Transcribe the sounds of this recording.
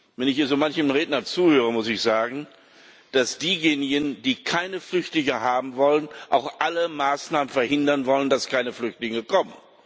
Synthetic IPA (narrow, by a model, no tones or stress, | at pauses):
vɛnɪçiːɐzomançənʁeːtnɐt͡suːhøːʁ̞əmʊsɪçz̥aːɡŋ̩ | d̥asd̥iːjeːnɪɡənd̥iːkʰaɪnəflʏçtlɪŋəhaːbm̩vɔlənʔaʊxʔaləmaːsnaːmənfɛɐhɪndɐnvɔləndaskʰaɪnəflʏçtlɪŋəkʰɔmən